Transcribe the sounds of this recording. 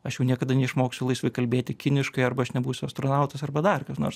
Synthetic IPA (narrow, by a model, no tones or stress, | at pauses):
ɐʃjɛʊnʲiɛkɐd̪ɐnʲɛɪʃmoːksʲʊlˠɐɪsʋɐɪkɐlʲbʲeːt̪ʲɪkʲɪnʲɪʃkɐɪɐɾbɐɐʃnʲɛbuːsʲʊɐst̪ɾoːnɑʊt̪ɐsɐrbɐd̪ɐrkɐsno̰ːɾs